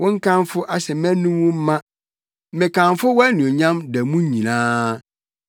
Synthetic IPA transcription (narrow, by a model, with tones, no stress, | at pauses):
wɔ̃˦ŋ̩˦kʰã˦mfʊ˦ʔa˦sɛ˨mæ̃˦nũ˦wʊ̃˦m̩˦mã˦ | mɪ̃˨kʰã˨ɱfʊ˦wɔ˦nĩ˨o˨ɲã˦mdæ˨mũ˦ɲĩ˨nãː˦